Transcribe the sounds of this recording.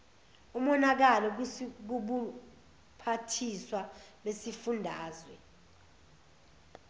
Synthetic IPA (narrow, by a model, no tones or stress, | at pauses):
umɔnak̬alɔk̬uɓu | pʰatʰiswaɓesifundʱaːzwɛ